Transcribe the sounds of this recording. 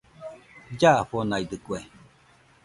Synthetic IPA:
d͡ʒaɸonaid̪ɯkue

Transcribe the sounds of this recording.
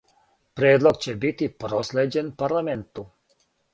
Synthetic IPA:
pɾeːd̪lˠoɡt͡ɕebit̪ipɾosled͡ʑenpaɾlament̪u

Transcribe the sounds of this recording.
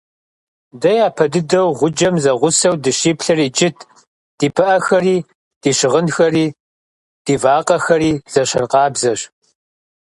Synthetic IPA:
dɐjaːpʰɐdɨdɐwʁʷʊd͡ʒɐmzɐʁʷʊsɐwdɨɕiːpɬɐriːd͡ʒɪtʰ | d̥iːpʰɨʔɐxɐriː | d̥iːʃɪʁənxɐriː | d̥iːvaːqɐxɐriːz̥ɐɕɐrqɑːbzɐɕ

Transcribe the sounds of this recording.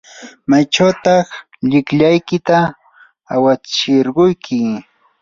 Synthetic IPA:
majʈ͡ʂawt̪ɑχ | ʎɪkʎajkɪt̪aː | wat͡ʃɪɾɢʊjkʰɪ

